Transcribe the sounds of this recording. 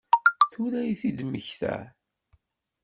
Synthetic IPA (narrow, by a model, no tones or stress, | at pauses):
θʊɾæjiθid̪məçθæ̰